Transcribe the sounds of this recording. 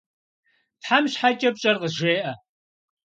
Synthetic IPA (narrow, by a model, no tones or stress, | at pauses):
tħamɕħat͡ʃʼɐp̚t͡ʃʼɐrqəʒeːʔɐ